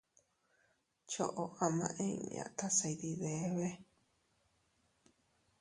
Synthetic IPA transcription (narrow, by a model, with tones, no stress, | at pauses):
t͡ʃo̰˦˨ʔo˨ʔa˨˧mã̰˧˨ʔẽ˦i˧mḭ̃˧ã̰˨t̪ʰa˦sa˧˨idi˧ðe˨˦βe˦